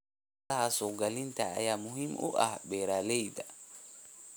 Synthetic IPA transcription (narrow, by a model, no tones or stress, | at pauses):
ɐhɐsɔːɡɐlɪnt̪ʰɐ̰ːjaːmʊɦiːmʔʊ̰ʔɐ̰hbɛːɾaːlɛjd̪ɐ